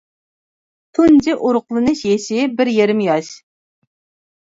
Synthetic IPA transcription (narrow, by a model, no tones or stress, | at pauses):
t̪ʰund͡ʒɪʔuɾʊqlˠɨnɨʃjeʃɪbɪɾjeɾɪmjɑʃ